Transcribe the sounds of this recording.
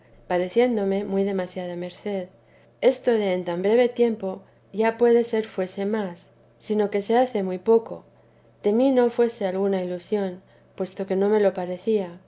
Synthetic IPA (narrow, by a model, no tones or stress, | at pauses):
paɾe̞θje̞nd̪o̞me̞mwujðe̞masjað̞ame̞ɾθe̞ð | e̞st̪o̞ðeːnt̪ambɾe̞βe̞t̪je̞mpo̞ | ʝapwe̞ðe̞se̞ɾfwe̞se̞masː | ino̞ke̞se̞aθe̞mwujpo̞ko̞̰ | d̪e̞mino̞fwe̞se̞alɣunailusjo̞n | pwe̞st̪o̞ke̞nõ̞me̞lo̞paɾe̞θia